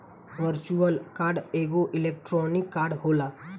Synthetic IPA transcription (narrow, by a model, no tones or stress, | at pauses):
ʋəɾt͡ʃuəlkaːɾɖeːɡoʔɪleːk̚ʈɾɔːnɪkːaːɾɖɦoːlaː